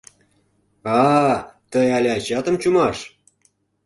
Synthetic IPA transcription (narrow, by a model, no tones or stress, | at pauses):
ɑt̪əjɑlʲɑt͡ɕɑt̪ə̆mt͡ɕumɑʃ